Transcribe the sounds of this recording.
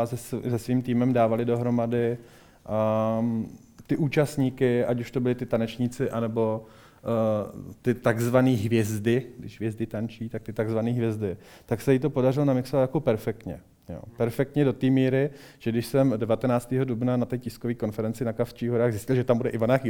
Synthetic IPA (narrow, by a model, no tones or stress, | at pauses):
zɛszɛsviːmt̪iːmɛmdaːvalɪdo̞ɦɾo̞madɪ | t̪ɪʔuːt͡ʃast̪ɲiːkɪʔacuʃt̪o̞bɪlɪt̪ɪt̪anɛt͡ʃɲɪt͡sɪʔanɛbo̞ | t̪ɪt̪aɡzvaniːɦvjɛzdɪɡdɪ̰ʒɦvjɛzdɪt̪ant͡ʃiːt̪ak̚t̪ɪt̪aɡzvaniːɦvjɛzdɪ | t̪aksɛjit̪̬o̞po̞darɪlonamɪksovat̪jako̞pɛɾfɛk̚t̪ɲɛ̰ | jo̰ːpɛɾfɛk̚t̪ɲɛdo̞t̪iːmiːɾɪ | ʒ̥ɛɡdɪʃsɛmdɛvat̪ɛnaːt͡st̪ɛːɦo̞dubnanat̪ɛːcɪskoviːko̞nfɛɾɛnt͡sɪnakaft͡ʃiːɦoɾaːɣzɪscɪlʒɛt̪ambudɛʔɪvanaxɪ